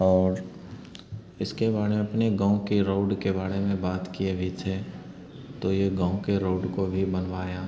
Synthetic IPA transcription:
ɔːɾ | ɪskebaːɾẽɐpneɡãːũkeɾoːɖkebaːɾemẽbaːt̪kiebʱit̪ʰe | t̪ojeɡãːũkeɾoːɖkobʱibɐnʋaːjaː

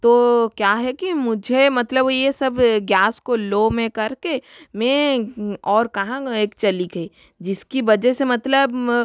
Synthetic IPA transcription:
t̪oːkjaːɦɛkimʊd͡ʒʱemɐt̪ləbojesɐbɡjaːskoloːmẽkɐɾkemẽ | ɔːɾkɐɦãeːkt͡ʃɐliɡɐi | d͡ʒɪskiʋɐd͡ʒɛɦsemɐt̪ləb

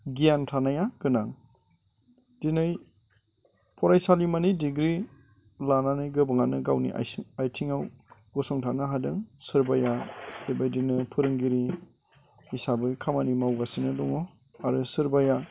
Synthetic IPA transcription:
ɡiantʰanajaɡɯnaŋ | dinɯj | pʰɔɾajsalimanijdiɡɾi | lananɯjɡɯbɯŋanɯɡawnḭʔa̰ajtʰiŋawɡɔsɔŋtʰanɯɦadɯŋsɯɾbajadebajdinɯpʰɯɾɯŋɡiɾi | isabɯkʰamanimawɡasinɯdɔŋɔ | aɾɯsɯɾbaja

